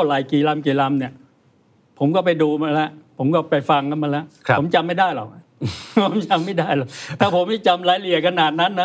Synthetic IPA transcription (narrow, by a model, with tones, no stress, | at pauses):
a˥˩laː˨˩jkiː˨˩la˧mkiː˨˩la˧mni˥˩ə | pʰo˩˦mkɔː˥˩pa˧jduː˧ma˧nlɛ˦˥ʔpʰo˩˦mkɔː˥˩pa˧jfa˧ŋkʰa˧˥nma˧nlɛ˦˥ʔo˩˦mt͡ɕa˧mːa˥˩jdaː˥˩jlɔ̰ː˨˩k̚pʰo˩˦mt͡ɕa˧mːa˥˩jdaː˥˩jlɔː˨˩k̚t̪ʰaː˥˩pʰo˨˦mːa˥˩jt͡ɕa˧mlaː˨˦jli˨˩əkʰa˧naː˨˩t̪̚na˦˥nːa˦˥